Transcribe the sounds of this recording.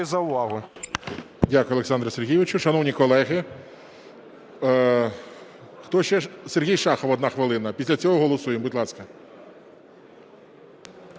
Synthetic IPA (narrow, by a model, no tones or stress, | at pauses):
zɐʊʋɑɦʊ | dʲakʊjɔlˠeksɑnd̪ɾɐserɦʲiʋɪt͡ʃʊʃɐnɔwnʲikɔlˠɛɦɪ | xt̪ɔʃt͡ʃɛserɦʲijʃɑxɔʋɔd̪nɑxʋɪlˠɪnɐpʲisʲlʲɐt͡sʲɔɦɔɦɔlˠɔsujembut̪ʲlˠɑskɐ